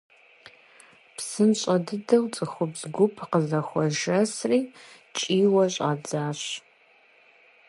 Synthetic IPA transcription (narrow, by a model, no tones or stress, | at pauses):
psɨmɕʼɐdɨdɐwt͡sʼɨxʷʊpzɡʷʊpʰqəzɐxʷɔʒɐsriː | t͡ʃʼiːwɐɕʼa̰d͡zaːɕ